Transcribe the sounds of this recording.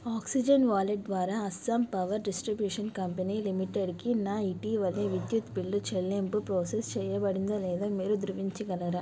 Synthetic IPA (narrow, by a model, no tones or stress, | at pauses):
aːksid͡ʒɐnʋaːleʈ̚d̪ʋaːɾaːɐsːɐmpɐʋɐɾɖisʈɾibjuːʂɐnkɐmpɐniːlimiʈeɖkinaːiʈiːʋɐlːeːʋid̪jut̪bilːut͡ʃelːempupɾoːsest͡ʃɛːjɐbɐɽind̪ɐlɛːd̪aːmiːɾud̪uɾuʋiɲt͡ʃiɡɐlɐɾɐ